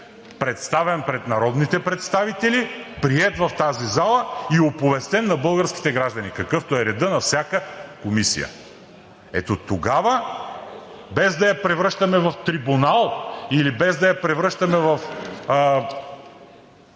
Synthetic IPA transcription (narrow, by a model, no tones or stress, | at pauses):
pɾɛt̪st̪avɛnpɾɛt̪nɐɾɔd̪nit̪ɛpɾɛt̪st̪avit̪ɛlipɾiɛt̪vɐft̪azizalˠəiopovɛst̪ɛnːɐbɤlˠɡəɾskʲi̥t̪ɛɡɾaʒd̪ɐnikɐkɤft̪oɛɾɛd̪ənɐfsʲjakəkomisḭjə̰ | ɛ̰t̪ot̪oɡavə | bɛzd̪ɐjɐpɾɛvɾɤʃt̪ɐmɛvɐft̪ɾibunalˠilibɛzd̪ɐjɐpɾɛvɾɤʃt̪ɐmɛvɐf